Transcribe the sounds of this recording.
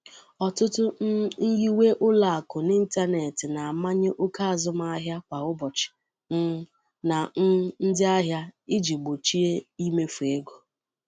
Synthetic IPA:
ɔ˨tʊ˦tʊ˦n˦n̩˦ɣi˦we˦ʔʊ˦la˨a˨kʊ˨ni˦n̩˦ta˦ne˨tɪ˨na˨a˨ma˦ɲɪ˦ʔʊ˦ka˦a˨zʊ˦m˦a˦a˦ɦja˦kʷa˨ʊ˦bɔ˨t͡ʃɪ̥˨ | n̩˦ | na˨n̩˦n̩˦dɪ˦a˦ɦja˦ɪ˦d͡ʒi˨ɡ͡bo˨t͡ʃi˦e˦i˦me˦fu˨e˦ɡo˨

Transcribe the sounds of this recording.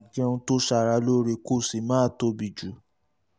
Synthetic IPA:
ki˦ɛ˧ũ˧to˦ʃa˧˨ɾa˨˧˦lo˦ɾe˧ko˦˨si˨˦mã˦˨to˧˦bi˨d͡ʒu˨˦

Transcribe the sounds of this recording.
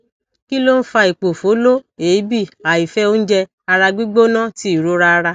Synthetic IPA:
ki˦lo˦n̩˦fa˧i˨k͡po˨fo˨˦lo˦e˨i˦bi˦˨a˨i˨fɛ˦o˦n̩˦d͡ʒɛ˧ | a˧ɾa˧ɡ͡bi˦ɡ͡bo˦nã˦ti˦i˨ɾo˦ɾa˦a˧ɾa˧

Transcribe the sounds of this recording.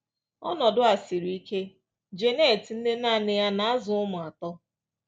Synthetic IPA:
ɔ̰˦nɔ˨dʊ˦a˨si˨ɾi˦ke˦ | d͡ʒe˨ne˦˨tn̩˦ne˦na˦˨nɪ˦ja˦na˨a˦zʊ˨ʊ˦mʊ˨a˨tɔ˦

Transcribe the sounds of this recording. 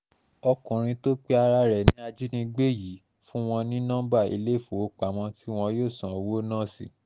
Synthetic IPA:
ɔ˧kũ˨ɾ̃ĩ˧to˦k͡pe˦a˧ɾa˧ɾɛ˨nĩ˦a˧d͡ʒi˦nĩ˧ɡ͡be˦˨ji˨˦ | fũ˦w̃ɔ̃˧nĩ˦nã˦ba˦˨ḭ˧le˦˨fo˨o˦k͡pa˨m̃ɔ̃˧ti˦w̃ɔ̃˧joː˦˨sã˨wo˦nãː˦˨si˨

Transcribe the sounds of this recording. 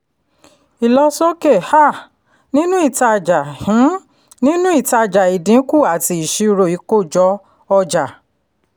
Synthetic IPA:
i˨lɔ˧sɔ˦ke˦˨ha˦˨ | nĩ˦nũ˦i˦˨ta˧˨d͡ʒa˨hĩ˨˦ | nĩ˦nũ˦i˦˨ta˧˨d͡ʒa˨i˨dĩ˨˦ku˦˨a˨ti˧˦i˨ʃi˧˦˧ɾo˨i˨˧˦ko˦˨d͡ʒɔ˧˦ | ɔ˧d͡ʒa˨

